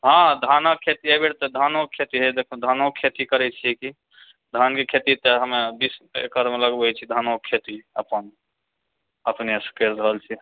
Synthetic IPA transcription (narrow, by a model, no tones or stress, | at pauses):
ɦãd̪ʱanakʰːet̪iabeɽt̪ɔd̪ʱanokʰːet̪iɦed̪ekʰud̪ʱanokʰet̪ikəɾɛt͡ʃʰiki | d̪ʱankekʰet̪it̪əɦəmebisḛkəɾmeləɡbəjt͡ʃʰid̪ʱanokʰːet̪iəpən | əpneskesɾəɦəlt͡ʃʰi